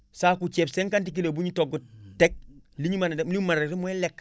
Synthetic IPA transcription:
sakut͡ʃeːpseŋkant̬ik̬ilebuɲitoɡutek̚ | liɲimanelimantemolek

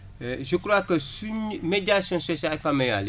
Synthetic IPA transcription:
ʒəkɾwakəsuɲmediasjɔ̃sosalfameja̰le

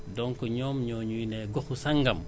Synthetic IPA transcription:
dɔŋkɔɲɔːmɲɔːɲuinɛːɡɔxusɐŋɡɐm

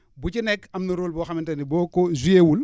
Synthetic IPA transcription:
bucinɛkːɐmnɐɾoːlbɔxɐmintɐnibɔːkɔzujewul

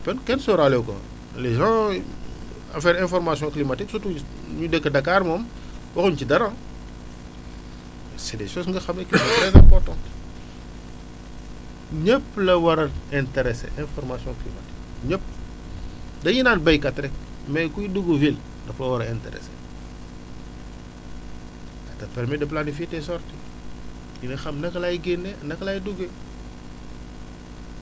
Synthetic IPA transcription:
pɛnkɛnsɔɾalɛwko̰ | lezɔ̃ | ɐfɛːɾɛ̃nfɔɾmasijɔ̃klimatiksutu | ɲudɛkːədɐkːaːɾmɔm | wɐxuɲt͡ʃidɐɾã | sidɛsɔsŋɡɐxɐmːɐklimatɾɛsɛpɔtɔ̃n | ɲəpːlɐwɐɾɐɛntɛɾɛsḛʔɛ̃nfɔrmasijɔ̃ŋklima̰ti̥kɲəp̚ | dɐjinaːnbɐjkɐtɾɛk | mɛjkujduɡuvil | dɐplɐwɐɾɐɛntɛ̰ɾɛ̰sḛ | ɐtɐpɛɾmɛdɐplanif̬etɛsɔrti | jinɐxɐmnɐkɐlajiɡenːenɐklajiduɡe

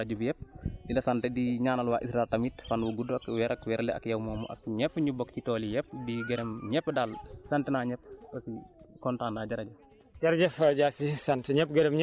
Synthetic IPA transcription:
ɐɟubjɛp̚ːdilɐsɐntɛdiɲaːnɐlwaːʔisɾaɛltɐmiːtfɐnwuɡudɐkwɛɾɐkwɛɾlɛɐ̰kjɐwmɔːmɔ̰ʔɐ̰k̚ɲɛpːɲubɔkcitɔːlijɛpːdiɡɐɾɛmɲɛpːədalsɐntɛnaːɲɛpːɐsikɔntaːnːaːɟɐɾɐɟɐ | d͡ʒɐɾɐɟɐfɐɟaːsisɐntɛɲɛpːɡɐɾɛmɲ

